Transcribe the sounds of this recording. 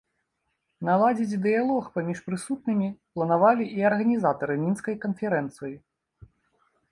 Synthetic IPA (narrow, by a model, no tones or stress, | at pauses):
nalˠad͡zʲit͡sʲd̪ɨjalˠɔxpamʲiʂpɾɨsut̪̚nɨmʲiplˠɐnavalʲiʔiɐrɣɐnʲizat̪ɐɾɨmʲinskɐjkɐnfʲɛɾɛnt̪sɨji